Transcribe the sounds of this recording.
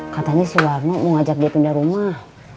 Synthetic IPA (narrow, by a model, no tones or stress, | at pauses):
kat̪aɲasuwarnɔmɔŋad͡ʒak̚diapindaɾumah